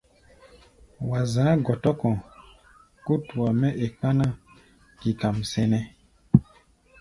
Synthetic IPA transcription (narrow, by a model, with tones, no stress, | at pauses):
wa˨zãː˨˦ɡɔ˨tɔ˦kɔ̃˨ | ku˦tu˨a˨mɛ˦ʔe˨k͡pa˦nã˦ | ki˨ka˨msɛ˨nɛ̃˦